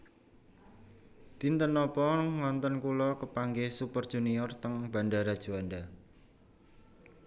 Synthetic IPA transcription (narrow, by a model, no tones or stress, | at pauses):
d̪̥int̪ənɔpɔŋɔnt̪ɔnkulɔkəpaŋɡehsupərd̥ʒ̥uniɔrt̪əŋb̥a̤ɳɖaɾad̥ʒ̥o̤anda